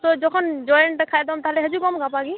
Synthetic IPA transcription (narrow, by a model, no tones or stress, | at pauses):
t̪ɔd͡ʒɔkʰɔnd͡ʒɔjɛnʈakʰajdɔmt̪aɦɛlɛɦəzukɔmɡapaɡi